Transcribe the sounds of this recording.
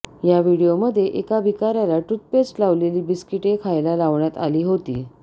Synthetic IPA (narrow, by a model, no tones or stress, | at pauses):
jaʋiɽijoməd̪ʱːjeʔekabʱikaɾjalaʈut̪̚pet͡slaʋleliːbiskiʈekʰajlalaʋɳjat̪aliːɦot̪iː